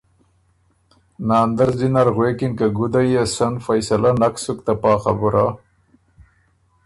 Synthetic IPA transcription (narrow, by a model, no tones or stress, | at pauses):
naːnd̪aɾzd̪inaɾɣweːkinkaɡʊd̪ajesanfajsalanaksʊkt̪apɑːχabuɾa